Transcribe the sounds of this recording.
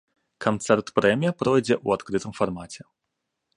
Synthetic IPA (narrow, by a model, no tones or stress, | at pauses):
kʰant̪sɛrt̪pɾɛmʲijɐpɾɔjd͡zʲɛʔuat̪kɾɨt̪ɨmfarmat͡sʲɛ